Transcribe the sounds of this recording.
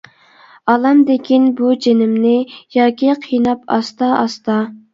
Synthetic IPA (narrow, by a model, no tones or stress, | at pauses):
ɑlˠɑmd̪ekʲʰinbud͡ʒenɪmnɪjɑːkʲiqʰijnɑpɑ̰st̪ɑɑst̪ɑ